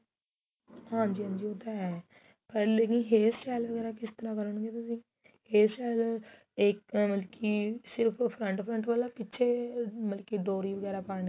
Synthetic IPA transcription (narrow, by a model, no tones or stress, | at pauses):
ɦãːɲd͡ʒiːɦãːnd͡ʒiːoːt̪aːɛː | pəɾleːkĩːɦeːst͡ʃɛːlʋəɡɛːɾaːkɪst̪əɾãːkəɾəɳɡeːt̪ʊsĩː | heːst͡ʃaːl | ɪkməlkiːsɪɾpʰpʰɾəɳʈpʰɾəɳʈʋəlaːpɪːʃʰeːməlkiːd̪oːɾiːʋəɡɛːɾaːpaːɳ